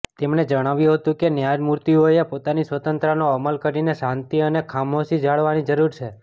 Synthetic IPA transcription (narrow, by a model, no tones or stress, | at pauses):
t̪emned͡ʒəɽ̃aʋjũɦət̪ũkenjad͡ʒmuɾt̪iɦojepot̪anisʋət̪ənt̪ɾənoəməlkəɾineʃãnt̪iənekʰamosid͡ʒaɭʋanid͡ʒəɾuɾt͡ʃʰe